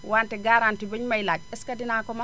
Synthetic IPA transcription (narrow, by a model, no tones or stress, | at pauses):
wantɛɡaɾantiboɲmajlakɛskadinakɔma